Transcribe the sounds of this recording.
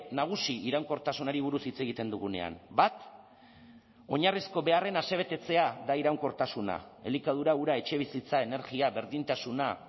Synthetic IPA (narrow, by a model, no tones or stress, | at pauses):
naɣ̞usiiɾawŋko̞ɾt̪asunaɾiβ̞uɾusit͡se̞ɣit̪e̞nd̪uɣ̞une̞̰a̰nbat̪ | o̞ɲarisko̞βe̞are̞nase̞β̞e̞t̪e̞t͡se̞aðaiɾawŋko̞ɾt̪asuna̰e̞̰likað̞uɾauɾae̞t͡ʃe̞β̞isit͡sae̞ne̞ɾɣiaβe̞ɾðint̪asuna